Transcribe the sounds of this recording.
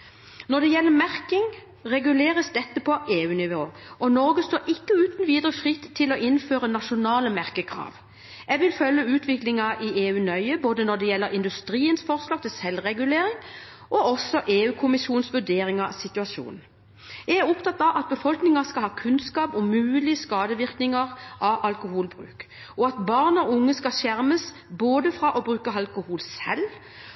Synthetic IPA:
nɔd̪ɛjɛlːəmæʁkɪŋ | ʁɛɡʉleːʁəsd̪ɛt̪ːəpʰɔʔeːʉːnɪʋoːʔɔnɔɾɡəst̪oːɾɪkːəʉːt̪n̩ʋiːd̪əʁəfʁɪt̪ʰːɪlɔʔɪnføːʁənɑʃʊnɑːləmæʁkəkʰʁɑ̰ːʋ | ɛɡʋɪlfœljəʉːt̪ʋɪklɪŋɑʔɪeːʉːnœʏəboːd̪ənɔd̪ɛjɛlːəɾɪnd̪ʉst̪ɾiːənsfɔʁslɑːɡ̚t̪ʰɪlsɛlːʁɛɡʉleːɾɪŋ | ʔɔɔsɔʔeːʉːkʰʊmɪsuːnsʋʉɖ̪eːɾɪŋɑsɪt̪ʉɑʃṵːn | jææʁʊpt̪ɑt̪ːɑʔɑt̪̚bəfɔlknɪŋɑskɑlhɑːkʰʉnskɑːpɔmʉːlɪəskɑːd̪əʋɪʁknɪŋɑʁʔɑʋʔɑlkʊhuːlbɾʉ̰ːk | ɔɑt̪bɑːʁnɔʊŋːəskɑʃæʁməs | boːd̪əfɾɑʔɔbʁʉːkəɑlkʊhuːlsɛl

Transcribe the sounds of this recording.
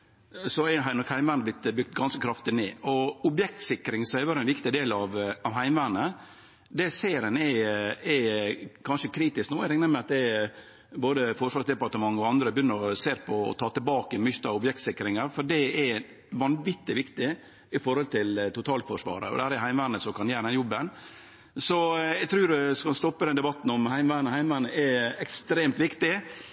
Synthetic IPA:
sɔɛɦæɪnɔkhæɪmʋæɾnəblɪt̪ːbʏk̚t̪ɡɑnskəkʰɾɑft̪ɪnḛːɔʊbjɛk̚t̪sɪkɾɪŋsɔɛʋɑːɾəɛnʋɪkt̪ɪd̪eːlɑʋɑʋɦæɪmʋænə | d̪ɛseːɾənɛɛkʰɑnʂəkʰɾiːt̪ɪsknuːɛɾɪŋnəɾmɛɑt̪̚d̪ɛ | boːd̪əfɔʂʋɑːɾsd̪ɛpɑɾt̪əmɑŋːɔɑnd̪ɾəbjʏnːəɾɔseːɾpʰɔ̰ːt̪ʰɑːt̪ɪlbɑːkəmʏçt̪ɑɔbjɛkt̪sɪkːɾɪŋəɾfɔɖɛɛ | ʋɑnʋɪt̪ːɪʋɪkt̪ɪ | ɪfɔɾhɔlt̪ʰɪlt̪ʊt̪ʰɑːlfɔʂʋɑ̰ːɾə̰ɔ̰d̪ɛhæːɾɛhæɪmʋæːɾnəsɔmkʰɑnjæːɾəd̪ɛnjɔbːən | sɔɛɡt̪ʰɾʉːɾdʉskɑnst̪ɔpːəd̪ɛnd̪ɛbɑt̪ːnɔmhæɪmʋæːnəhæɪmʋæːnəɛɛkst̪ɾeːmt̪ʋɪkt̪ɪ

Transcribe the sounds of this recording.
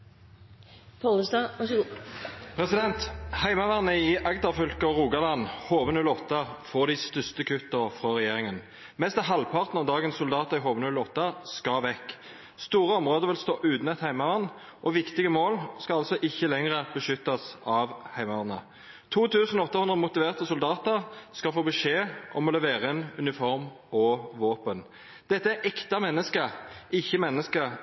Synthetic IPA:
pʰːləsɑ | pʰʁɛsɪd̪ɛnt̪hæɪmɑʋæʁnəɪʔɑɡt̪ɑʁfœlkəɔʁuːɡɑlɑnhoːʋənʉlɔt̪ːəfɔːʁd̪ɪst̪œst̪əkʰʉt̪ːəʁfʁɔːʁɛjeːʁɪŋən | mɛst̪ɑɦɑlpʰɑʁt̪nɑʋd̪ɑːɡənsːʊld̪ɑːt̪əʁɪɦoːʋənʉlɔt̪ːɑskɑʋɛkː | st̪uːʁəɔmʁoːd̪əʋɪlst̪oːʔʉːt̪nɛt̪hæɪmɑʋɑn | ʔɔʋɪkt̪ɪɡəmoːlskɑɑlsɔʔɪçːəlɛŋʁəbəʃʏt̪ːɑsɑʋhæɪmɑʋɑnə | t̪ʰuːt̪ʰʉːsənɔɔt̪ːɑhʉnd̪ʁəmʊt̪ɪʋeːʁt̪əsʊld̪ɑːt̪əʁskɑfoːbəʂeːʔɔ̰mɔlɛʋeːʁəɪnʉnɪfɔʁm | ɔʋoːpən | d̪̥ɛt̪ːəæʔɛkt̪ɑmɛnːəskəʔɪçːəmɛnːəskə

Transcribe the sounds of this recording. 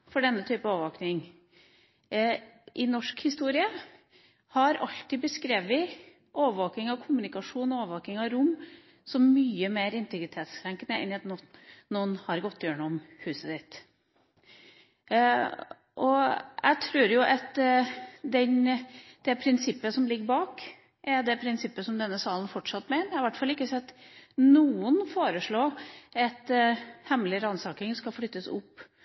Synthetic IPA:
fɔɖɛnːət̪ʰyːpənoːʋəʋoːknɪŋ | ʔɪnɔʂkhɪst̪uːɾɪə | hɑɾɑ̰ʎt̪ɪbəskɾeːʋʋɪ | ʔoːʋəʋoːknɪŋɑʋkʰʊmʉnɪkɑʂuːnɔoːʋəʋoːknɪŋɑɾʊmː | sɔmmyːəmeːɾɪnt̪ɪɡɾɪt̪ʰeːt̪skʰɾæŋkənəɛ̰nɪɑt̪nɔnɔnhɑɾɡɔt̪ʰːjøːɳɔmhʉːsəsɪt̪ | ʔɔʔæ̰t̪ʰɾʉːɾjʊʔɑt̪ | d̪ɛnd̪̥ɛpʰɾɪnsɪpːəsɔmlɪɡːəɾbɑːk | ʔɛɖ̪ɛpʰɾɪnsɪpːəsɔmd̪ɛnːəsɑːlən̩fɔʈʂɑt̪ːmɛɪnəɾɪʋæʈfɑlɪkːəsɛt̪ːnuːʊnfoːɾəʂɭoːɛt̪hɛmlɪɾɑnsɑːkɪŋskɑflʏt̪ːəsʊ̰pː

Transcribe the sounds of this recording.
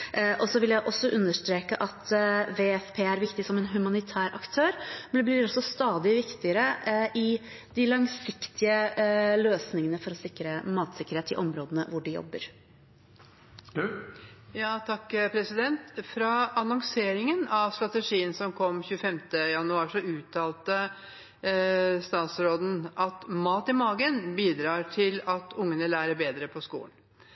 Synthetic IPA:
ʔɔsɔʋɪljæɪʔɔsːɔʔʉnːəʂt̪ɾeːkəʔɑt̪ʋeːɛfpʰeːæɾʋɪkt̪ɪsɔmɛnɦʉmɑnɪt̪ʰæːɾʔɑ̰kt̪ʰøːɾmɛnd̪ɛblɪɾɔsːɔst̪ɑːd̪ɪʋɪkt̪ɪəɾəʔɪ | d̪ɪlɑŋsɪkt̪ɪəløːsnɪŋənəfɔɾɔsɪkɾəmɑːt̪sɪkːəɾheːt̪ɪ̰ʔɔmɾoːd̪ənəʋʊɖɪjɔ̰bːə̰ɾ | jɑːt̪ʰɑkːpʰɾɛsɪd̪ɛnt̪fɾɑɑnɔŋseːɾɪŋənɑʋst̪ɾɑt̪əʂiːənsɔmkʰɔmːçʉəfɛmt̪əjɑnʉɑːʂɔʉːt̪ʰːɑːlt̪ə | st̪ɑːt̪sɾoːd̪n̩ʔɑt̪mɑːt̪ɪmɑːɡənbiːd̪ɾɑːʈʰɪlɑt̪ʰʊŋːənəlæːɾəbeːd̪ɾəpʰɔskṵːlən

